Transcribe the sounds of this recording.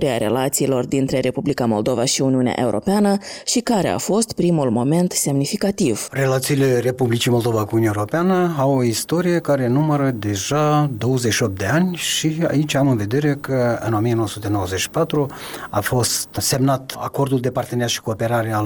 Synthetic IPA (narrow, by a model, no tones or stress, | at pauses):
ɾeaɾe̞̰lat̪siːlo̞rd̪int̪ɾe̞ɾʔe̞publikamo̞ld̪o̞vaʃiuniunea̰ʔe̞uɾʔo̞̰peanəʃikaɾe̞̰a̰fo̞st̪pɾimulmo̞me̞nt̪se̞mnifikat̪ivre̞lat̪siːle̞re̞publit͡ʃimo̞lˠd̪o̞vakuuunjaeuɾo̞peanəawoist̪o̞ɾije̞kaɾe̞numəɾəd̪e̞ʒad̪o̞wəzeʃio̞p̚t̪d̪e̞anʲʃia̰it͡ʃʲamɨnve̞d̪e̞ɾe̞kəɨ̰no̞mijenowoəsut̪e̞no̞wəzet͡ʃʃi̥pat̪ɾu | a̰fo̞st̪se̞mnat̪a̰ko̞rd̪uld̪e̞part̪eneaʃi̥kuope̞ɾaɾea